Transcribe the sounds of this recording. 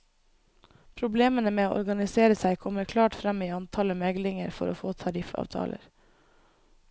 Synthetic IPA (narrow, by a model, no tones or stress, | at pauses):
pʰɾʊbleːmənəmeːoːʔɔ̰ɾɡɑnɪseːɾəsæɪkʰɔməɾkʰlɑːʈfɾɑmiːɑnt̪ʰɑːləmɛɡlɪŋəɾfɔ̰ɾo̰ːfoːt̪ʰɑɾɪfɑ̰ːʋt̪ʰɑ̰ːlə̰ɾ